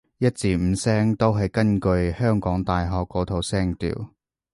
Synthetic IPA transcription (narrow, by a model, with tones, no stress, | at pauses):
jɐ˥t̚t͡siː˨˧m̩˨˧sɛː˥ŋt̪o˥wɦɐ˨jkɐ˥nkɵ˧ɥhœː˥ŋkɔː˨˥ŋt̪aː˨jɦɔː˨kːɔː˨˧˥t̪ʰo˧wsɛː˥ŋt̪ḭː˨˩w